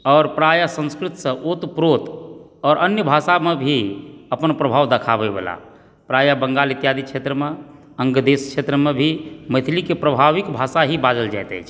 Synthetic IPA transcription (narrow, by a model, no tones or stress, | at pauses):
ɔːɾpɾajasə̃ñskɾit̪sə̃ʔot̪pɾot̪ɔːɾʔənjəbʱasamebʱiəpənpɾəbʱaʋd̪əkʰabebḛla̰ | pɾajabəŋɡalit̪jad̪ikt͡ʃʰet̪ɾəme | əŋɡd̪eskʃʰet̪ɾəmebʱimət̪ʰlikepɾəbʱaʋikbʱasaɦibad͡ʒəld͡ʒa̰jt̪ɛ̰t͡ʃʰ